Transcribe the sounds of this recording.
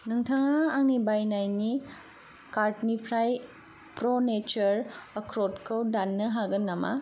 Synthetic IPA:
nɯŋtʰaŋaːŋnibajnajni | kaɾtnipʰɾaj | pɾonet͡ʃɐɾɐkʰɾotkʰɐwdanːɯɦaɡɐnːama̰

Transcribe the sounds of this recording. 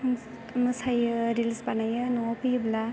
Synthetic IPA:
mɯsajɾilispanajɯnɔpɯjbla

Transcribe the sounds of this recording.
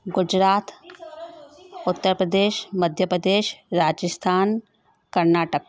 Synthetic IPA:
ɡʊd͡ʒɾaːt̪ | ʊt̪ːəɾpɾəd̪eːʃməd̪ʱjəpɾəd̪eːʃɾaːd͡ʒəst̪ʰaːn | kɐɾnaːʈək̚

